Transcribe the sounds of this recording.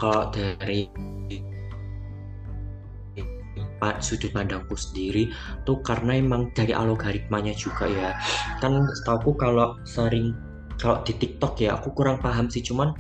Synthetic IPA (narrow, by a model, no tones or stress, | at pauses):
kaloʔd̥aɾi | pasud͡ʒʊt̪̚padaŋkusəndiɾi | t̪ukarənaemaŋd̥aɾiʔa̰loɡaɾit̪̚maɲad͡ʒuɡ̥ajakansə̥t̪aukukaloʔsəɾɪŋ | kaloʔd̪̥it̪ik̚t̪ɔkjaa̰kukuɾaŋpaɦamsɪht͡ʃuman